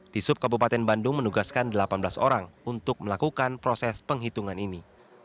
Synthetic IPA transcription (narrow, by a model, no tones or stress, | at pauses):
d̥isʊp̚kabupat̪ɛnbandʊŋmənuɡaskandəlapanbəlaso̰ɾaŋunt̪ʊk̚məlakukanpɾosɛspəŋɦit̪uŋanini